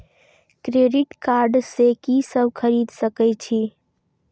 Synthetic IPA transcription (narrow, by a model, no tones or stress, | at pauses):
kɾeɖiʈkaɾɖsekisəbkʰəɾid̪ʱsəkɛt͡ʃʰi